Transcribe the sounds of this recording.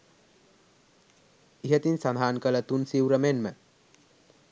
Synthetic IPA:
iɦət̪insad̪ʱaːnkələt̪unsiwɾəmenmə

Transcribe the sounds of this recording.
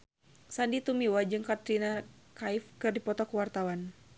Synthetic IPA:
sandit̪umiwad͡ʒɨŋkat̪ɾinakaifkɨrdipɔt̪ɔkuwart̪awan

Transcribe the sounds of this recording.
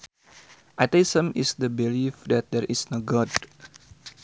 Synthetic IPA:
ʔat̪eisə̃misdəbilifdɛt̪̚dɛɾʔisnoɡɔd

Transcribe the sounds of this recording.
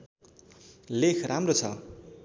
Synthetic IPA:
lekʰramrot͡sʰʌ̰

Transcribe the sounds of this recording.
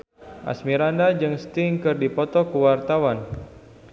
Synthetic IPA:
ʔa̰smiɾandad͡ʒɨŋst̪iŋkɨrdipɔt̪ɔkuwart̪awan

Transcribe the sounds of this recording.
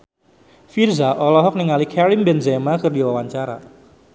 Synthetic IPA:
firzaʔɔlɔɦɔk̚niŋalikʰɛɾimbɛnzɛmakərdiwawaɲt͡ʃaɾa̰

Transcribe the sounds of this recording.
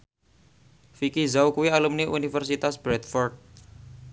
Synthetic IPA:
fikizawkuwialumniʔunifərsit̪asb̥ɾɛt̪̚fɔrt̪̚

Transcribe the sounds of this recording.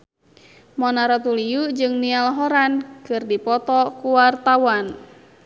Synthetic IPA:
mɔnaɾɔt̪ulijud͡ʒɨŋnialɔɦɔɾankɨrdipɔt̪ɔkuwart̪awan

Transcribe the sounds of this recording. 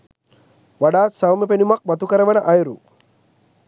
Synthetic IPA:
ʋaɖaːsɐwmepenumak̚mɐt̪ukɐɾɐʋɐnɐʔɐjɾu

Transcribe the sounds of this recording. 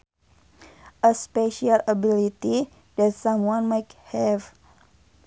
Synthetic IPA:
ʔəspeʃialabilit̪i | dɛtsamwɔnmathɛv

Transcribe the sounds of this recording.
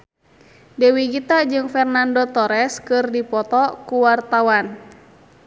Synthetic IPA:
dɛwiɡit̪ad͡ʒɨŋfɛrnandot̪ɔɾɛskɨrdipɔt̪ɔkuwart̪awan

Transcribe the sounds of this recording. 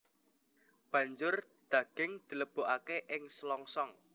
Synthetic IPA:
b̥ä̤ɲd͡ʒʊr | d̪̥ä̤ɡ̥ɪ̤ŋd̪̥i̤ləb̥o̤ʔakeʔɪŋslɔŋsɔŋ

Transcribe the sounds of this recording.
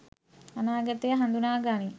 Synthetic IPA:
ɐnaːɡɐt̪ːijɐɦɐnd̪unaːɡaːni

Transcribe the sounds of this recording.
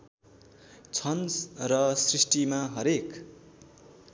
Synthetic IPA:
t͡sʰʌnsrʌsrisʈimaɦʌɾek

